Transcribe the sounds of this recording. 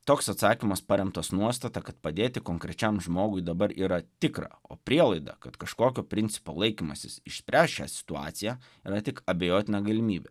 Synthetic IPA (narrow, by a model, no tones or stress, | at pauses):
t̪oːksɐt̪sɑːkʲimɐspɐɾʲɛmt̪ɐsnuɔst̪ɐt̪ɐkɐt̪pɐd̪ʲeːt̪ʲɪkoːŋkɾʲɛt͡ʃʲɛmʒmoːɡʊɪd̪ɐbɐɾiːɾɐt̪ʲɪkɾɑ̰o̰ːpʲɾʲiɛlˠɐɪd̪ɐ̰kɐt̪kɐʃkoːkʲoːpʲɾʲɪnʲt̪sʲɪpoːlˠɐɪkʲimɐsʲɪsɪʃsʲpʲɾʲæːsʃʲæ̰ːsʲɪ̥t̪ʊɑ̰ːt̪sʲɪjæː | iɾɐt̪ʲɪkɐbʲɛjoːt̪ʲɪnʲɑɡɐlʲɪmʲiːbʲɛ